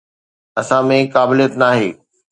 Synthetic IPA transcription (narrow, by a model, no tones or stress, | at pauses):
ɐsãmẽkaːbɪlijət̪naːɦeː